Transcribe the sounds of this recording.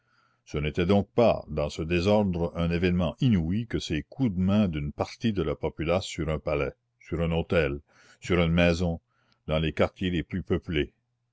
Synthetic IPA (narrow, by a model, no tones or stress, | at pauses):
sənet̪ɛd̪ɔ̃k̚pa̰d̪ɑ̃səd̪ezɔʁd̪ʁɛ̃nevɛnmɑ̃ʔinuikəsekʰud̪mɛ̃d̪ynpaʁt̪id̪əlapɔpylasyʁɛ̃palɛ | syɾɛ̃not̪ɛl | syɾynmɛːzɔ̃ | d̪ɑ̃lekaʁt̪jeleplypøple